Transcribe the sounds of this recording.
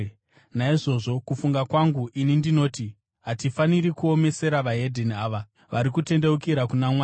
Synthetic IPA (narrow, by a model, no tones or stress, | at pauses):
naiʐo̞ʐo̞kufuŋɡakwaŋɡuʔinindino̞ːti | ɦatifaniɾikuo̞me̞se̞ɾaʋaɦe̞dʱeniaːʋa | ʋaɾikute̞nde̞ukiɾakunamwa